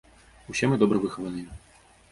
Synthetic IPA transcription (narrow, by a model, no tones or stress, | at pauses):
usʲɛmɨd̪ɔbɾɐvɨxɐvɐnɨjɛ